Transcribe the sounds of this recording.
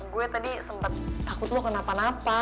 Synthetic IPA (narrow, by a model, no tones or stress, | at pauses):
ɡuɛt̪adisəmpət̪̚t̪akʊt̪lʊkənapanapa